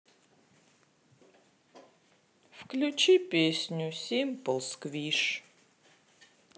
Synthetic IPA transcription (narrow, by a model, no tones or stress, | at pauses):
fklʲut͡ʃipʲesʲnʲusʲemʲpolˠskviʂ